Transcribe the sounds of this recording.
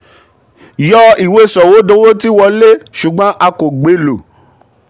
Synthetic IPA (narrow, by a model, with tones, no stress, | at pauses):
jɔ˦i˨we˦sɔ˨wo˨˦dõ˧˦wo˦ti˦wɔ˧le˦ʃu˨ɡ͡bɔ̃˨˦ʔa˧ko˨ɡ͡be˨˦lo˨